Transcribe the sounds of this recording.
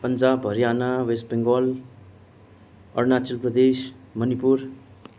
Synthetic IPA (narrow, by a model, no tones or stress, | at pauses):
pʌnd͡zabʱʌɾijanawesbeŋɡɔl | ʌ̰rnat͡silprʌd̪es | mʌnipuɾ